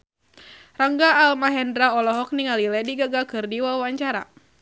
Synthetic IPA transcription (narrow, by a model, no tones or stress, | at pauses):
raŋɡaːlmaɦɛndɾaɔlɔɦɔk̚niŋalilɛdiɡaɡakɨrdiwawaɲt͡ʃaɾa̰